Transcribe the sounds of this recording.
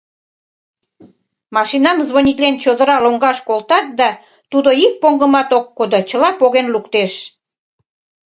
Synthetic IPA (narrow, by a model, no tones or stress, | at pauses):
mɑʃinɑmzβonʲiklʲent͡ɕod̪əɾɑloŋɡɑʃkolt̪ɑt̪̚d̪ɑ | t̪ud̪oik̚poŋɡə̆mɑt̪okːod̪ot͡ɕə̆lɑpoɣenlukt̪eʃ